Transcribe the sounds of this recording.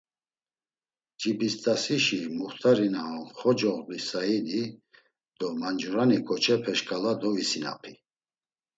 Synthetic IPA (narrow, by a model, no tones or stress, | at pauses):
d͡ʒibist̪asiʃimuχt̪ʰaɾinaɦɔnχɔd͡ʒɔʁbisaid̪i | d̪̥ɔmand͡ʒuɾanikʰɔt͡ʃʰɛpʰɛʃkʰʼalad̪ɔvisina̰pʰi